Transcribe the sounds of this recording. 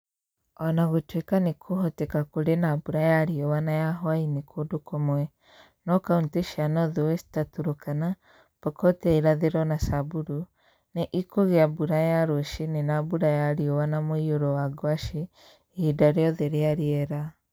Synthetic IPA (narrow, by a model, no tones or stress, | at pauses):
ɔnaɣotwekanekʰoɦɔtɛkakoɾenabuɾajaɾiɔwanajaɦwainekʰoːdokomwɛ | nɔkaunteʃanɔðewɛstatuɾokana | pɔkɔtɛiɾaðeɾɔnasabuɾu | neʔikʰoɣeabuɾajaɾoʃinenabuɾajaɾiɔwanamoioɾɔwaɡwaʃe | idaɾeɔðeɾeaɾeɛɾa